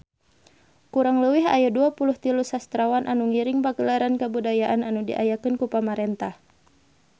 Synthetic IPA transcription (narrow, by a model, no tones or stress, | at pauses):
kuɾaŋləwiɦa̰jaduapuluht̪ilusast̪ɾawanʔanuŋiɾɪŋpaɡəlaɾankəbudajaʔananudḭʔa̰jakɨnkupamaɾɛnt̪ah